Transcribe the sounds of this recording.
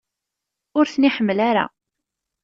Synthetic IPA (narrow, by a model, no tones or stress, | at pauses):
ʊɾθəniħəmːəlaɾa̰